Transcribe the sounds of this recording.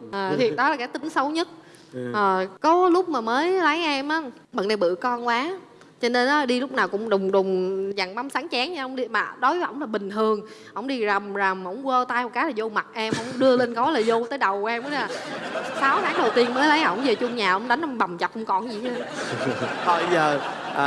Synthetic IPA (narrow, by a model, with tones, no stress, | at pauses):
ʔəː˨˩t̪ʰi˨˩ɗɔ˨˦laː˨˩kaː˨˦jt̪ï˨˦ŋsə˨˦wɲə˦˥t̚ | ʔəː˨˩kɔ˨˦lʊ˦˥k͡p̚maː˨˩məː˨˦jlə˨˦jʔɛ˧mʔaː˨˦ | ɓə̰˧˨na˧˩jɓɨ̰˧˨kɔ˧nkwaː˨˦ | t͡ɕɔ˧ne˧nʔɔ˨˦ɗi˧lʊ˦˥k͡p̚naː˨˩wkʊ̰˧˥ŋ͡mɗʊ˨˩ŋ͡mɗʊ˨˩ŋ͡mza˨˩ŋɓa˨˦msaː˨˦ŋt͡ɕɛ˨˦ŋɲa˧ʔə˧˦wŋ͡mɗi˧maː˨˩ɗo˨˦jʔə̰˧˩wŋ͡mlaː˨˩ɓï˨˩ŋ̟t̪ʰɨ˨˩əŋ | ʔə˧˩˨wŋ͡mɗi˧za˨˩mza˨˩mhə̰˧˥wŋ͡mwəː˧t̪aː˧jhɔ˨˩kaː˨˦laː˨˩zo˧ma˨˩t̚ʔɛ˧mhə̰˧˥wŋ͡mɗɨ˧əle˧nkɔ˨˦jlaː˨˩zo˧t̪əː˨˦jɗə˨˩wʔɛ˧mʔə˨˦aː˨˩saː˨˦wt̪aː˨˦˥ŋɗə˨˩wt̪i˧ənməː˨˦jlə˨˦jʔə̰˧˩wŋ͡mzəː˨˩t͡ɕʊ˧ŋ͡mɲaː˨˩ʔə̰˧wŋ͡mɗa˨˦jŋ̟ʔa˧˩ŋ͡mɓa˨˩wŋ͡mt͡ɕa˨˩p̚ʔə˧wŋ͡mkɔ˧˩nzi˨˩ə˧ | t̪ʰɔ˨˩zəː˨˩ | ʔəː˨˩